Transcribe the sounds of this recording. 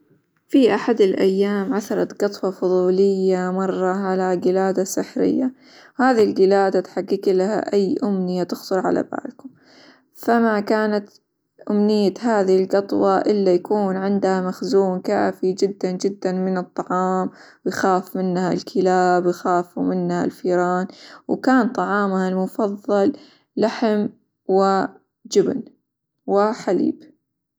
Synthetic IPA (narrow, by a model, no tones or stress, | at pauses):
fiʔaħad̪ɪlʔajːaːmʕaθɑɾˤɑt̪ɡɑt̪ˤwɑfʊðˤuːlɪjːamɑrˤːɑʕalaɡɪlaːd̪asɪħɾɪ̰jːa | haːðilɡɪlaːd̪at̪ħaɡːɪklaha̰ʔajːʔʊmnɪjːat̪ɪxt̪ˤʊɾˤʕa̰la̰ba̰ːlkʊm | famakaːnat̪ | ʔʊmnɪjːahaːðɪhɪlɡɑt̪ˤwɑʔɪlːajakuːnʕɪnd̪hamaxzuːnkaːfid͡ʒɪd̪ːand͡ʒɪd̪ːanmɪnɨt̪ˤːɑʕɑːm | wjxaːfmɪnːhalkʰɪlaːbjxaːfumɪnːha̰lfiːɾɑːnwkaːnt̪ˤɑʕɑːmhalmʊfɑðˤːɑlː | aħɪm | wɪ | d͡ʒɪbn | wɪħalḭːb